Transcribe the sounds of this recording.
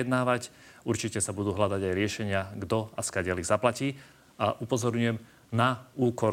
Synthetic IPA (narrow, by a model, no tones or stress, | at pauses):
ɛd̪naːʋacuɾt͡ʃicɛsabud̪uːɦlad̪aɟajɾɪɛʃɛɲɪaɡd̪ɔaskaɟɛlizaplaciː | ʔaʔupɔzɔɾɲʊjɛm | nauːkɔ